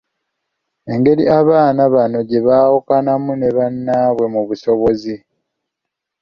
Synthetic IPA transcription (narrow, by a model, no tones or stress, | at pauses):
e̞ŋɡe̞ɾiaβaːnaβano̞ɟe̞βawokanamune̞βanːaβwe̞muβuso̞βo̞zi